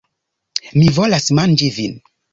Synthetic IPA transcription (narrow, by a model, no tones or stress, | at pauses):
mivo̞lasmand͡ʒivin